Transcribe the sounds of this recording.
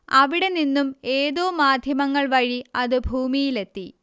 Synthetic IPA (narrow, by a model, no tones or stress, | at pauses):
ɐʋiɽe̞ninːume̞ːðo̞ːmaːd̪ʱjɐmɐŋːɐɭʋɐɻiɐðɨbʱuːmijile̞t̪ːi